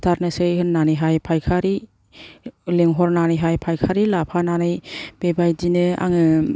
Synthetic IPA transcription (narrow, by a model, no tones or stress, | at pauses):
tʰaɾnɯsɯjɦɯnːanɯjɦajpʰajkʰaɾi | leŋɦɔɾnanɯjɦajpʰajkʰaɾilapʰananɯjb̥ebajdinɯa̰ŋɯ